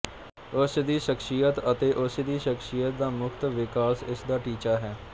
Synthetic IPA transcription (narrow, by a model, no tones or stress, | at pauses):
ʊsd̪iːʃəkʃijət̪ət̪eːʔʊsd̪iːʃəkʃijət̪̚d̪aːmʊkʰt̪ʋɪkaːsɪsd̪aːʈiːt͡ʃaːɦɛː